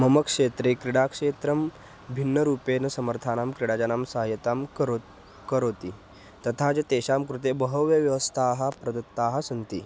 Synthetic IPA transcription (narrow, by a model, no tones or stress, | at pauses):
mɐmɐkʂeːt̪ɾekɾiɽakʂeːt̪ɾɐm | bʱinːɐɾuːpeːnɐsɐməɾt̪ʰaːnaːmkɾiɽaːd͡ʒanaːmsaɦjɐt̪aːm | kɐɾoːt̪iː | t̪ɐt̪ʰaːd͡ʑɐt̪eːɕaːmkɾut̪ebɐɦɐʋjɐʋjɐʋɐst̪ʰaːɦapɾɐd̪ɐt̪ːaːɦɐsɐnt̪iː